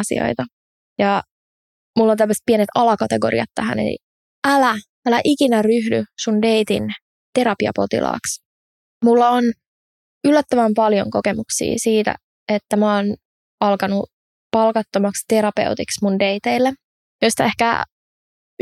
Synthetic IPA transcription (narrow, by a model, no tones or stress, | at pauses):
sḭo̰it̪ɑ | jɑ | mulːont̪ælmːæst̪̚pienet̪ɑlɑkɑt̪eɡo̞̰ɾḭɑt̪tːæhæ̰nḛlḭ | ʔælæ | ælæʔikinæryɦdysundeit̪ḭn | t̪e̞ɾɑpiɑ̰po̞̰t̪ḭlʔɑ̰ːks | mulːɑon | ylːæt̪ːəʋæmpɑljo̰ŋkokemuksḭːsiːt̪æ̰ | et̪ːæmoːn | ɑlkɑnu | pɑlkɑt̪ːomɑkst̪e̞ɾɑpe̞̰wt̪iksmundeit̪eilːe | joist̪ɑe̞hkæ̰